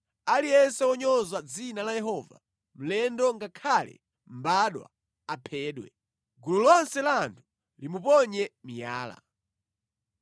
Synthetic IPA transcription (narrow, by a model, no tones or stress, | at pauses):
aliɛnsɛɔɲɔzad͡zinalajɛɦɔːva̰ | m̩lɛndɔŋɡakʰalɛ̰ | m̩baɗwa̰ | apʰɛːɗwɛ̰ | ɡululɔnsɛlantʰu̥ | limupɔɲɛmija̰ːla̰